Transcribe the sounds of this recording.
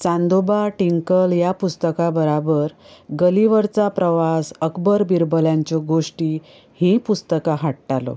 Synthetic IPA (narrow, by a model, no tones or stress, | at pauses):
t͡sãnd̪obaʈiŋkəljapust̪əkabəɾabəɾ | ɡəliʋəɾt͡sapɾəʋasəkbəɾbiɾbəljãɲt͡ɕɔɡoʂʈi | hĩpust̪əkaɦaʈʈalɔ̰